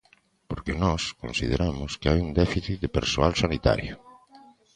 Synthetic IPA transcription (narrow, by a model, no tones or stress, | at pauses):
poɾkenɔskõnsið̞eɾamʊskeajund̪ɛfiθit̪̚d̪epeɾsoalsanit̪a̰ɾjo